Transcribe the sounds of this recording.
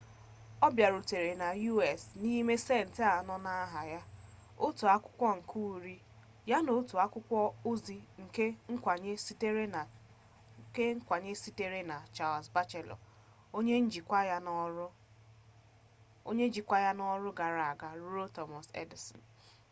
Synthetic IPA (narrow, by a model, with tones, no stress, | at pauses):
ɔ˦bja˨ɾu˨te˨ɾe˨na˨ju˦ɛ˨sni˦me˦se˦˨n̩˨te˦a˨nɔ˦na˦a˦ɦa˨ja˦ | o˦tu˨a˦kʷʊ̥˦kʷɔ˦ŋ̩˨kʰu˦u˨˦ɾi˦ | ja˦no˨˦tu˨a˦kʷʊ˦kʷɔ˦o˦zi˨ŋ̩˨ke˦ŋ̩˦kʷa˨ɲe˦te˦e˦˨ | ke˦ŋ̩˦kʷa˨ɲe˦si˦te˦ɾe˦na˨t͡ʃa˨lsba˦t͡ʃe˨lɔ̰˨ | o˦ɲe˦n̩˦d͡ʒi˨kʷa˦ja˦nɔ˦ɾʊ˦ | o˦ɲe˦d͡ʒi˨kʷa˦ja˦nɔ˦ɾʊ˦ɡa˨ɾa˨a˨ɡa˨ɾu˦ɾo˦tɔ˨mɔ˨sḛ˦di˨sɔ̰˨n